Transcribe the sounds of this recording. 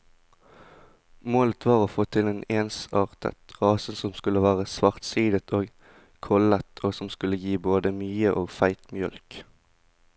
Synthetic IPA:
moːlət̪ʰʋɑːʁoːfoːt̪ʰɪleːneːnsɑːʁt̪ə̰t̪ʁɑːsənsɔmskʉləʋæːʁəsʋɑʁt̪siːd̪ət̪ʰoːɡ | kʰɔlət̪ʰoːsɔmskʉləjiːboːd̪əmyːəʔoːɡfæɪt̪mjœ̰lk

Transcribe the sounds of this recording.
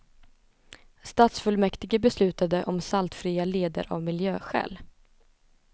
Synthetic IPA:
st̪aːt̪sfɵlmɛkt̪ɪɡəbɛslʉ̟ːt̪ad̪əʔɔmsalt̪fɾiːaleːd̪ə̰ɾʔa̰vmɪljøːɧɛ̰ːl

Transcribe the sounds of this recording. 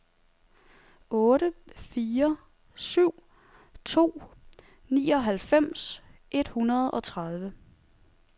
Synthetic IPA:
ɔ̽ːɾəfiːɐ | syʊ̰ | t͡sʰo̝̰ː | nḭːɒ̽ɦælfem̰sʔe̝d̥hunɐð̞ˠɒ̽t͡sʰʁað̞ˠʋə

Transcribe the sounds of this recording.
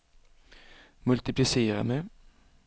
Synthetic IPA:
mʉlt̪ɪplɪseːɾa̰mɛ

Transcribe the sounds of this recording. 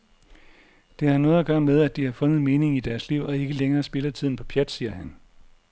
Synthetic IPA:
d̥e̝ænɔ̽ːð̩ˠɒɡ̥ɶːɐmeð̞ˠæd̥ihɑ̈fɔ̽nð̞̩ˠme̝ːne̝ŋid̥æɐsliʊ̰ɒ̽e̝ɡ̥əleŋɐːsb̥e̝lɐt͡sʰið̞̰ˠn̩pʰɒ̽pʰjæd̥siːɐɦæn

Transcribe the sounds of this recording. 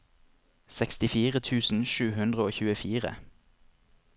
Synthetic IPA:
sɛkst̪ɪfiːʁət̪ʰʉːsn̩ʃʉːhʉnd̪ʁəoːçʉːəfiːʁə̰

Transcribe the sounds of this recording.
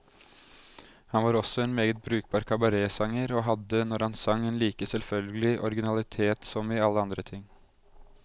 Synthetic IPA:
hɑnʋɑːɾɔsːɔɛːnmeːɡət̪̚bɾʉːk̚b̥ɑːɾkʰɑbɑɾeːsɑŋːəɾoːɦɑd̪ːənɔɾhɑnsɑŋːeːnliːkəsɛlfœlɡəlɪʔɔɾɡɪnɑlɪt̪ʰeːt̪sɔmɪɑlːəɑnd̪ɾət̪ʰɪŋː

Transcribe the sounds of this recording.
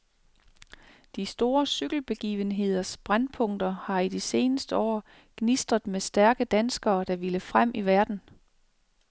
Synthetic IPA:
d̥isd̥o̝ːɐsyɡ̥l̩b̥e̝ɡ̥ḭːʋənɦe̝ð̞̰ˠɐsb̥ʁanpʰɔ̽ŋ̰d̥ɐhɑ̈id̥ise̝ːnəsd̥əɒ̰ː | ɡ̥nisd̥ʁɐðˠmesd̥æɐɡ̥əd̥ænsɡ̥ɐːd̥ɑ̈ʋiləfʁam̰ʔiʋæɐd̥n̩

